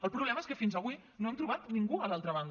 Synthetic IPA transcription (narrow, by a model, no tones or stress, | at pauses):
əlˠpɾuβlɛməeskəfinzəβi | noemt̪ɾuβat̪niŋɡuəlalˠt̪ɾəβ̞and̪